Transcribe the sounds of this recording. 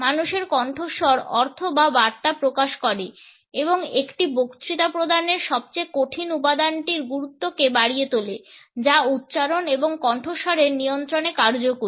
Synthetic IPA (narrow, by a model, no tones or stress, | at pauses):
manuʃeɾkɔɳʈʰoʃɔɾɔɾt̪ʰobabaɾt̪apɾokaʃkɔɾe | eboŋekʈibokt̪ɾit̪apɾod̪ʱaneɾʃɔb̚t͡ɕejkoʈʰinupad̪anʈiɾɡuɾut̪ːokebaɽijet̪oled͡ʑaut̪̚ːɕaɾoneboŋkɔɳʈʰoʃɔɾeɾnijont̪ɾonekaɾd͡ʑokuɾ